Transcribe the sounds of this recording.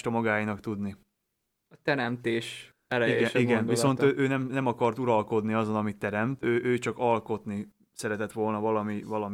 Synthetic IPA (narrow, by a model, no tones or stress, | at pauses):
t̪ɒmɒɡaːjinɒkt̪ud̪ni | ɒt̪ɛɾɛmt̪eːʃ | ɛlɛiɡɛnʃiɡɛnd̪visso̞nøːʔøːnɛmnɛmɒkɒrt̪uɾɒlko̞d̪niɒzo̞nɒmit̪ːɛɾɛmt̪øːʔøːt͡ʃɒkɒlko̞t̪ni | sɛɾɛt̪ɛt̪ʋo̞lnɒvɒlɒmivɒlɒm